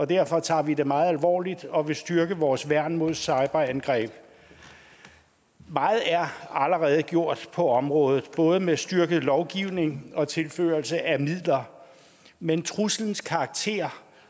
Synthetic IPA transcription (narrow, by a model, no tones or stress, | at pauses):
ɒ̽d̥æɐfɒ̽t͡sʰɑ̰̈ːʋid̥e̝mɑ̈ːð̞̩ˠælʋɒ̰ːlid̥ɒ̽ʋe̝sd̥ɶɐɡ̥əʋɒːsʋæɐ̰nmo̝ðˠsɑ̈ɪb̥ɐænɡ̥ʁɛ̰ːb̥ | mɑ̈ːð̩ˠæɐæləʁɛːð̞ˠəɡ̥jo̝ɐ̰d̥pʰɒ̽ɒ̽mʁɔ̽ːð̞ˠð̩ˠb̥ɔ̽ːð̞ˠəmesd̥yɐɡ̥əð̩ˠlɒʊɡ̥iʊne̝ŋɒ̽t͡sʰe̝lfø̰ːɐlsəʔæmið̰ˠlɐ | ment͡sʰʁusln̩skʰɑ̈ːɡ̥̚t͡sʰe̝̰ːɐ